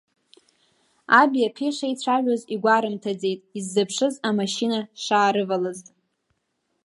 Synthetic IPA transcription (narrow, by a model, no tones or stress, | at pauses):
abiapʰiʂajt͡ɕʷʰaʒʷᶣoziɡʷaɾɨmtʰad͡ze̞jtʼizːɨpʰʂɨzamaʃinaʂaːɾɨvalɨztʼ